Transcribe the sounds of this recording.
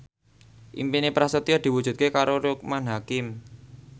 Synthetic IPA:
ʔḭmpinepɾasət̪iɔd̪̥i̤wu̥ʒ̥ṳt̪̚kekaɾoɾuk̚manɦakɪm

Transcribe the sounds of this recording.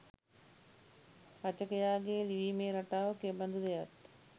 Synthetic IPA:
at͡ʃəkejaːɡeːliʋiːmeːɾaʈaːʋəkebɐnd̪ud̪ejat̪

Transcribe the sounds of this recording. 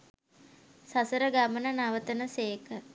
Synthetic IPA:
sasəɾəɡamənənaʋət̪ənəseːkə

